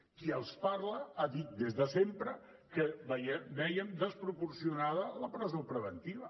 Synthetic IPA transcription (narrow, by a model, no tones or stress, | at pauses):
kiəlˠspaɾləaðit̪̚d̪ezðəsempɾə | kəbəjɛbɛjəmd̪əspɾupuɾsiunaðələpɾəzopɾəβənt̪iβ̞ə